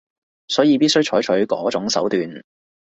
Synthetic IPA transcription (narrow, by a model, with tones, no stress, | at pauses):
sɔː˨˥jiː˧piː˥t̚sɵ˥ɥt͡ʃʰɔː˨˥jt͡ʃʰɵ˨˥ɥkɔ̰ː˨˥t͡sʊ˨˥ŋsɐ̰˨˥wt̪yː˨n